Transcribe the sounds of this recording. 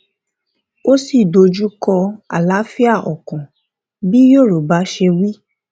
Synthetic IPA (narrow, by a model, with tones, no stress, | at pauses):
o˦si˦˨do˧d͡ʒu˦kɔ˧a̰˨la˨˦fi˦a˦˨ʔɔ˨kɔ̃˨ | bi˦jo˦˨ɾo˨ba˨˦ʃe˧wi˦